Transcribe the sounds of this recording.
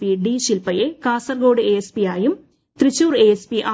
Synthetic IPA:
piɖiːʃɪlpɐjeːkaːsɐɾɡoːɽɨeːespiaːjɯm | t̪ɾɪt͡ʃːuːɾeːespiʔaː

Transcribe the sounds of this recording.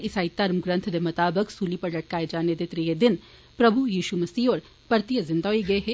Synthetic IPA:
ɪsaːit̪ːɐɾmɡɾɐ̃nt̪ʰd̪emɐt̪aːbəksuːlipɐɾlɐʈ̚kaːed͡ʒaːned̪et̪ɾijed̪ɪn | pɾɐbʱujiːʃumɐsiːɔːɾ | pɐɾt̪ijɐzɪ̃nd̪aɦoiɡɐeɦɛː

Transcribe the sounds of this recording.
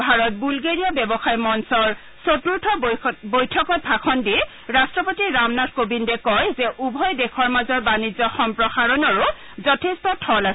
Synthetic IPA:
bʱaɹɔt̚bulɡeɹijɔbɛbɔxajmɔnsɔɹ | sotuɹtʰɔbojtʰɔkɔt̚bʱakʰɔndi | ɹastɹɔpotiɹamnatʰkobindɛkɔjzɛʔubʱɔjdɛkʰɔɹmazɔɹbanizɔxɔmpɹɔxaɹɔnɔɹʊ | zɔtʰestɔtʰɔlasɛ

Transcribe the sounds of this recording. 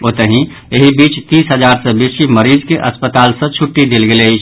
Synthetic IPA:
oːt̪əɦĩ | eɦibiːt͡ʃt̪iːsɦəd͡ʒaːɾsə̃bisiməɾiːd͡ʒkeʔəspət̪aːlsə̃t͡ʃʰʊʈːid̪elɡelei

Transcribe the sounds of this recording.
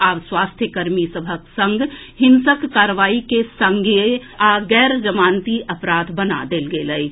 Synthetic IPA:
aːʋswast̪ʰjəkəɾmisəbʱəksə̃ŋɡhɪnsəkːaːɾʋaːikesə̃ŋɡeaɡɛːɾd͡ʒəmaːnt̪iʔəpɾad̪bəna̰d̪eːlɡeləi

